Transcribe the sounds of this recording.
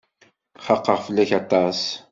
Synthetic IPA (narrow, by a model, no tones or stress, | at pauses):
χɑqːəʁfəlːæçɑt̪ˤːɑs